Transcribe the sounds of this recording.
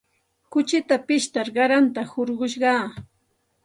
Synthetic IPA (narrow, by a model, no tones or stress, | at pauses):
kʊt͡ʃɪt̪apɪʃt̪aɾɢɑɾant̪ahoɾɢʊʃ̬ɢɑː